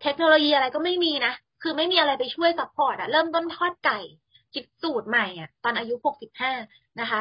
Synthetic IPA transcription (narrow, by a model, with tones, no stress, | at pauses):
t̪ʰe˦˥k̚noː˧loː˧jiː˧ʔa˧ɾa˧jkɔ˥˩ma˥˩jmiː˧na˦˥ | kʰɯː˧ma˥˩jmiː˧ʔa˧ɾa˧jpa˧jt͡ɕʰu˥˩əjsa˦˥pʰːɔː˨˩t̪̚ʔa˨˩ɾɤː˥˩mt̪o˥˩nt̪ʰɔː˥˩t̪̚ka˨˩j | t͡ɕi˨˩t̪̚suː˨˩t̪̚ma˨˩jʔa˨˩t̪ɔː˧nʔaː˧ju˦˥ho˨˩k̚si˨˩p̚haː˥˩ | na˦˥kʰa˦˥